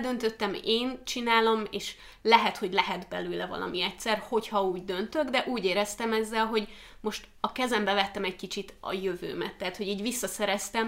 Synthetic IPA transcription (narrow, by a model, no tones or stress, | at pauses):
d̪ø̞nt̪øt̪ːɛmeːnt͡ʃinaːlo̞meːʃ | lɛɦɛt̪ho̞ɟlɛɦɛd̪bɛ̰løːlɛvɒ̰lʔɒ̰miɛct̪sɛrho̞chɒuːɟd̪ø̞nt̪øɡd̪ɛʔuːɟeːɾɛst̪ɛmɛzːɛlɦo̞ɟ | mo̞ʃt̪ | ɒkɛzɛmbɛvɛt̪ːɛmɛc̚kit͡ʃit̪ɒ̰jøvø̰ːmɛ̰t̪ːɛat̪ho̞ɟiːɟvisːɒsɛɾɛst̪ɛm